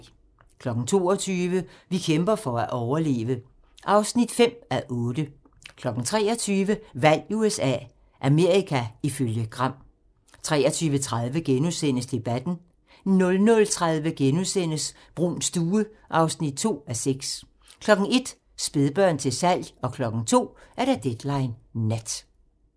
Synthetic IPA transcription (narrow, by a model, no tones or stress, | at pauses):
kʰlɒ̽ɡ̥n̩t͡sʰo̝̰ːɒt͡sʰyːʋəʋikʰemb̥ɐfɒæʔɒʊɐle̝̰ːʋə | ʔɑ̈ʊsnid̥fem̰æʔɔ̽ːd̥ə | kʰlɒ̽ɡ̥n̩t͡sʰʁɛ̰ːɒt͡sʰyːʋəʋæl̰uesɛ̰ː | ʔæme̝ɐ̰ʁikʰæiføljəɡ̥ʁɑ̈m̰ | t͡sʰʁɛ̰ːɐt͡sʰyːʋət͡sʰʁað̞ˠʋəɡ̥enusen̰əsd̥e̝b̥æd̥n̩ | nɔ̽lnɔ̽lt͡sʰʁɑ̈ðˠʋəɡ̥enuðˠsen̰əs | b̥ʁunsd̥uːəʔɑ̈ʊsnid̥̚t͡sʰo̝̰ːæseɡ̥s | kʰlɒ̽ɡ̥n̩e̝d̥ | sb̥e̝ðˠb̥ɶɐ̰nt͡sʰe̝sæl̰jɒ̽kʰlɒ̽ɡ̥n̩t͡sʰo̝̰ːæɐɾ̥æd̥ed̥lɑ̈ɪnːæd̥